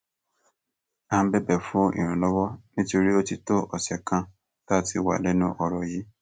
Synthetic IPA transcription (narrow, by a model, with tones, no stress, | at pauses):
a˦˧˦bɛ˦bɛ˦˨fũ˦ḭ˨ɾ̃ũ˨lɔ˦wɔ˦nĩ˦to˧ɾi˦o˦ti˧to˦ɔ˨sɛ˨kã˧ | ta˦˨ti˧˦wa̰˨lɛ˨˦nũ˦ʔɔ˧ɾɔ˧ji˨˦